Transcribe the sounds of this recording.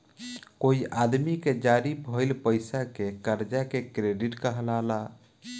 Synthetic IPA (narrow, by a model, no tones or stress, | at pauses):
koiʔad̪miked͡ʒaɾibʱəjlpəjsakekəɾd͡ʒakekɾeɖiʈkəɦlala